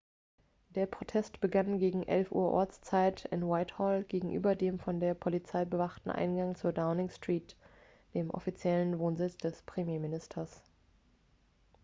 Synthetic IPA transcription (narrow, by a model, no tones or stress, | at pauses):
d̥eːɐpʁ̥otʰɛstb̥əɡanɡeːɡŋ̩ʔɛlfʔṵːɐʔɔ̰ɐt͡st͡saɪtʰɪ̰nwaɪthɔlɡ̥eːɡŋ̩ʔy̰ːbɐdeːmfɔndeːɐpʰɔlit͡saɪbəvaχtn̩ʔa̰ɪnɡaŋt͡suːɐdaʊnɪŋstʁ̥iːt | d̥eːmʔɔ̰fit͡sjɛlənvoːnzɪt͡sd̥ɛspʁ̥emjeːmɪnɪstʰɐs